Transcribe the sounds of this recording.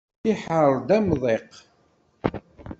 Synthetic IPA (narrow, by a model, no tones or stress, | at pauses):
iħəɾɾˤd̪æmðˤeq